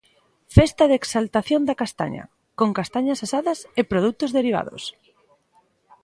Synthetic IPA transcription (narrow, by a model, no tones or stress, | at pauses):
fest̪ɐðeksalt̪aθjond̪ɐakast̪a̰ɲɐ̰ | koŋkast̪aɲɐsasaðɐsepɾoð̞ut̪ozðeɾiβ̞a̰ðo̰s